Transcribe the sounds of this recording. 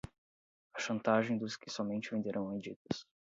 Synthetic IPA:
ɐʃɐ̃nt̪aʒẽj̃d̪ʊskɪsɔmẽnt͡ʃɪvẽnd̪eɾʔɐ̃w̃ɐ̃d͡ʒit̪ɐs

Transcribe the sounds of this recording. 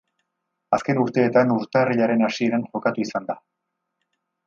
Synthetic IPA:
aske̞nuɾt̪e̞ːt̪anuɾt̪eriʎaɾe̞nasie̞ɾanʝo̞kat̪uisand̪a

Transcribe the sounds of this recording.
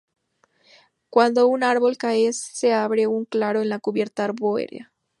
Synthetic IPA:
kwand̪ounaɾβo̞lkaesːeaβɾeuŋklaɾoenlakuβje̞ɾt̪aaɾβoḛɾḛa̰

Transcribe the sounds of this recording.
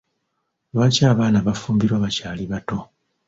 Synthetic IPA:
βaːcaːβaːnaβafuːmbiɾwaːβacaːliβato̞

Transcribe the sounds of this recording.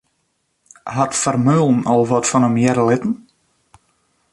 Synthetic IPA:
ɦatfərmølˠn̩ɔlˠʋɔtfɔnəmjɛɾəlɪtn̩

